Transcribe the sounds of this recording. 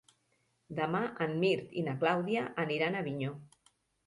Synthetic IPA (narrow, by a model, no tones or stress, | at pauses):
d̪əmaʔəmːiɾt̪inaklawðiaʔəniɾanəβiɲo